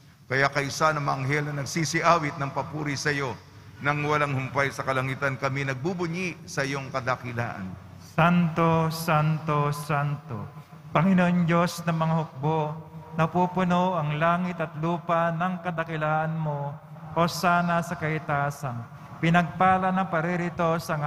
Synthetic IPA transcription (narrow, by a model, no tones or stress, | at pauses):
kɐjakɐʔɪsanɐŋmɐʔɐŋɦɛlnɐnɐɡsisɪʔaːwɪt̪̚nɐŋpɐpuːɾisɐjo̞ | nɐŋwɐlaŋhʊmpajsɐkɐlɐŋit̪ɐnkɐminɐɡ̚bubʊɲiʔsɐʔɪjo̞ŋkɐd̪ɐkɪla̰ːʔɐ̰n | sant̪o̞sant̪o̞sant̪o̰ | pɐŋɪnoʔond͡ʒo̞snɐŋmɐŋahʊk̚bonɐpupʊnoʔɐŋlaːŋɪt̪ɐt̪luːpɐnɐŋkɐd̪ɐkɪlaːʔɐnmo̞ | ʔo̞saːnɐsɐkɐhɪt̪aːsɐn | pɪnɐɡ̚paːlɐnɐŋpɐɾɛɾɪt̪o̞sɐŋ